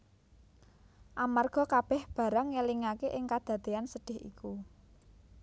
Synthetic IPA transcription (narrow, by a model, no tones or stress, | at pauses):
ʔamarɡ̥ɔ̤kab̥ɛhb̥ä̤ɾəŋːəliŋakeʔɪŋkad̪̥ä̤d̪̥eansəɖ̥ɪ̤hḭku